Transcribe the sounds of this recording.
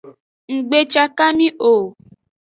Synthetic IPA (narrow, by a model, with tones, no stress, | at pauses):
ŋ̩˨ɡ͡be˦t͡ʃa˧ka˦mĩ˦ʔo˨